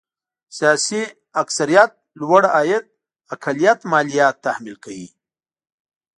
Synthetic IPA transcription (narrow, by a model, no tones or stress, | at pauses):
sijaːsi | aksaɾijat̪̚lwaɽaːjɪt̪̚ | akʰalijat̪mɑːlijɑːt̪ːahmilkawḭ